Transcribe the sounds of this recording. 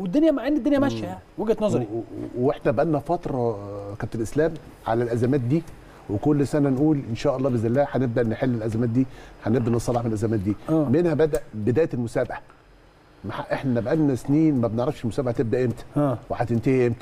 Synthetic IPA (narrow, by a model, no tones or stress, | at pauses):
wed̪ːonjæmaʕendid̪ːonjæmæʃjæjaweɡt̪nɑzˤɑɾiweħnæbʔænːæfɑt̪ɾˤɑkæb̚t̪ælʔeslæːm | ʕa̰lælʔæzæmæːt̪̚d̪iː | wekolːsænænʔuːlʔenʃæːʔɑlˤːɑːbeznelːæːħæneb̚d̪æʔnːħelːelʔæzæmæːt̪̚d̪iːħænebd̪æʔnesˤɑlːɑħmenlʔæzæmæːt̪̚d̪iːæːmenhæbæd̪æʔbed̪æːjlmosæːbaʕa | maħaʔeħnænæbʔænːæsniːnmæbneʕɾˤɑfʃelmʊsæːbaʕat̪eb̚d̪æʔemt̪æweħæt̪ent̪ehemt̪